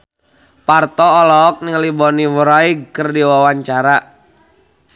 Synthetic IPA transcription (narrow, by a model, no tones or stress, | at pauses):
part̪ɔːlɔːk̚nɪŋlibɔniwəɾaiɡkərdiwawaɲt͡ʃaɾa